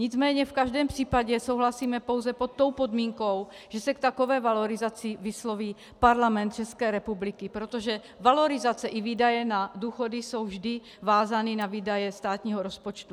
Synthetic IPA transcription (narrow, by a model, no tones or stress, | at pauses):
ɲɪd͡zmɛːɲɛfkaʒdɛːmpr̥iːpaɟɛsowɦlasiːmɛpowzɛpot̪ːo̞wpod̪miːŋkow | ʒ̥ɛsɛkt̪akovɛːvaloɾɪzat͡sivɪslo̞viː | paɾlamɛnt̪̚t͡ʃɛskɛːɾɛpublikipɾot̪oʒɛ | valo̞ɾɪzat͡sɛʔiviːdajɛnaduːxodiso̞wvʒdɪ | vaːzaninaviːdajɛst̪aːt̪ɲiːɦoɾospot͡ʃt̪u